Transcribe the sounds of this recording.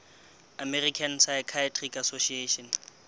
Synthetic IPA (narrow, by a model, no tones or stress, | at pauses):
amɛrikʰansajkʰatʼrikasoʃieɔn